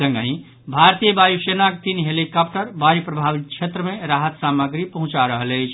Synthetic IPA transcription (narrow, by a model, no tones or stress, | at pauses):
ə̃ŋɡə̃ĩ | bʱaɾt̪ijəbajusenakt̪inɦelikap̚ʈəɾbaɾipɾəbʱabit̪̚t͡ʃʰet̪ɾəmeɾaɦət̪saməɡɾipəɦũt͡ʃaɾəɦələjt͡ʃʰ